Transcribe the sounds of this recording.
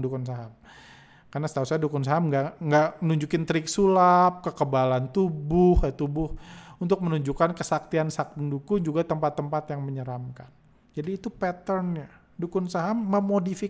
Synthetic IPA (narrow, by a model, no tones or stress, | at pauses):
dukʊnsaɦam | karnasə̥t̪ausaadukʊns̬aɦamŋɡaŋɡaʔmənuɲd͡ʒukɪnt̪əɾɪksulap̚kəkəbalant̪ubʊhjat̪ubʊhunt̪ʊk̚mənuɲd͡ʒukankəsak̚t̪iansak̚t̪ŋdukʊŋd͡ʒuɡat̪əmpat̪ːəmpat̪jaŋməɲəɾamkan | d͡ʒadiːt̪upɛt̪ərnɲa | dukʊŋsaɦamːəmodifi